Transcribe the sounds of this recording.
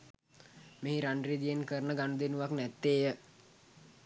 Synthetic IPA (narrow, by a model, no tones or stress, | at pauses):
meɦiɾaɳɖrid̪ijenkəɾənəɡanud̪enuʋaknɛt̪ːeːjə